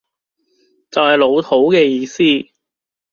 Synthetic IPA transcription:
t͡sɐ˨whɐ˨˩jlo˨˧wt̪ʰo˨˥wkɛː˧jiː˨˧siː˥

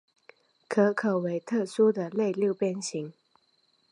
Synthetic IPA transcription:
kʰɤ˧˥kʰɤ˨˩we˧˥ɪt̪ʰɤ˥˩su˥d̪ə˨le˥˧ɪljo˥˧ʊpjɛ˥˩nɕi˧˥ŋ

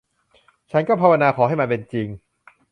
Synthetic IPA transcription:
t͡ɕʰa˥˩nkɔː˥˩pʰa˧wa˧naː˧kʰɔː˩˦ɦa˥˩jma˧npe˧nt͡ɕi˧ŋ

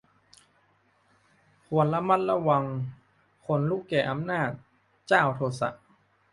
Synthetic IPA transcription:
kʰu˨˩˦ənla˧˥ma˦˧˥t̪̚la˧wa˧ŋ | kʰo˧˦nluː˦˥˩kɛː˨˩ʔa˧mnaː˥˩t̪̚ | t͡ɕaː˥˩wt̪ʰoː˧sa̰˨˩ʔ

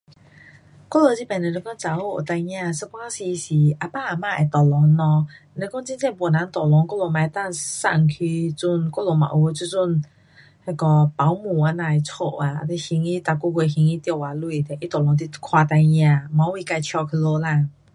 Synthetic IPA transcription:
kɔ˥˨lo˧˩t͡ɕi˦˥˩pɛ˨˩ne˧le˧˦kɔ˥˦t͡sa˨o˧˦o̰˨t̪a˧j̃ã˧sə˦˥kwa˦si˧si˨˩ʔa˧pa˥˨a˨mã˧˨ɛ˨˩t̪ɔ˨˩lɔ˨˧˦ŋːɔ̃˧˨ | ne˧˦kɔ˥˦ŋt͡ɕi˧˥nt͡ɕɛ̃˥˧˨pwna˨˦nt̪ɔ˨˩lɔ˨˧˦ŋkɔ˥˨lo˧˩mã˨˧t̪a˥˧˨sa̰˧˩ŋkʰi˧t͡su˥˧˩nkɔ˥˨lo˧˩mã̰˨ʔo˧˦t͡ɕu˥˨t͡su˥˨n | he˧˩kɔ˧pa˨˦wmũ˨˩a˧˦nã˧˨ɛ˨t͡sʰo˧˨a˨˩˧t̪e˧hi˧˦ŋi˦t̪a˧˩ku˥˧˨kwe˧xi˧ŋi˧˦t̪jo˧˨wa˨lu˧˨˩ɛ˨ʔi˦t̪ɔ˨˩lɔ˨˧˦ŋt̪̬i˧kʰwa˧t̪a˧jɲ˧ã˧˨ma˨˧˦wi˧˨ka˧jt͡ɕʰjɔ˧kʰə˧lo˧la˧˨

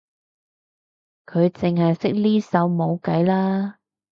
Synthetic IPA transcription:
kʰɵ˨˧ɥt͡sɪ˨ŋhɐ˨jsɪ˥k̚liː˥sɐ˨˧˥wmo˨˧wkɐ˨˥jlaː˥

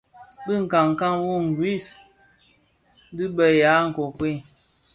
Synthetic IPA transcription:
bɨ˦˨ŋ̩˨ka˨ŋ˨ka˦ŋwu˦ŋ˨ɡɾi˦˨s | bi˦bə˨ja˨˦ŋ̩˨kɔ˨kwe˦˨

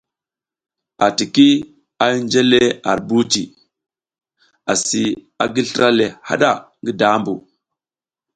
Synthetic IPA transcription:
a˨ti˨ki˦ | a˨i˦nd͡ʒe˦le˦a˨ɾbu˦ti˨ | a˨si˨ | a˨ɡi˦ɬɾa˦le˨ha̰˦ɗa˦˨ŋɡi˦da˦mbu˨

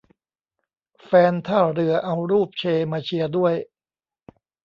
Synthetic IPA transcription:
fɛː˧nt̪ʰaː˥˩ɾɯ˧ɐʔa˧wɾuː˥˩p̚t͡ɕʰeː˧maː˧t͡ɕʰi˧ɐdu˥˩əj

